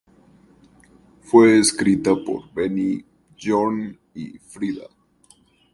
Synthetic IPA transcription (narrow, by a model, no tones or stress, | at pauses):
fweːskɾit̪apo̰ɾbeni | ʝon | ḭfɾiða̰